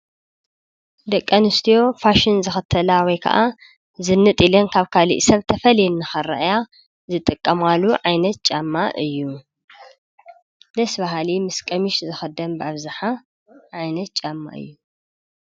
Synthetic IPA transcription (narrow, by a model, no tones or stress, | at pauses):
d̪ɐkʼːɐnɨst̪ʰijo̞faʃɪnzɨxɨt̪ʰːɐlawɔjkʰɐ̰ʔa | zɨnːɨt̪ʼilɐnkʰaβkʰalḭʔsɐβt̪ʰɐfɐljnːɨxɐɾɐ̰ʔja | zɨt̪ʼɨkʼːɐmaluʕajnɐt̪̚t͡ʃʼamːaʔɨjːu | d̪ɐsbaɦalimɨskʼɐmiʃzɨxɐd̪ɐnbɨaβzaħa | ʕajnɐt̪̚t͡ʃʼamːa̰ʔɨ̰jːu